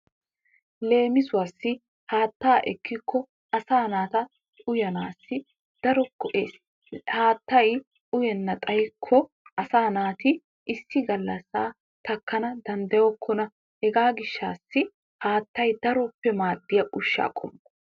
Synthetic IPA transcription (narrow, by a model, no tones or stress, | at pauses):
le̞ːmɪsʊwasːɪ | haːt̪ːaːʔɛkːɪkʰːɔ | ɐsaːnaːt̪ɐ | ʊjɐnaːsːɪ | d̪̥ɐɾɔkːɔʔe̞ːs | haːt̪ːɐj | ʊjɛnːɐt̪ʼɐjkʰːɔ | ʔɐsaːnaːt̪ɪ | ʔɪsːɪɡɐlːɐsaː | t̪ɐkːɐnɐd̪ɐnd̪ɐjɔkʰːɔnɐ | hɛɡaːɡɪʃːaːsːɪ | haːt̪ːɐjd̪ɐɾɔpːɛmaːd̪ːɪjɐʔʊʃːa̰ːkʼɔ̰m